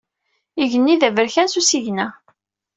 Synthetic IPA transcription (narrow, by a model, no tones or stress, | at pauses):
iʝənːiðævəɾçænsusiʝnæ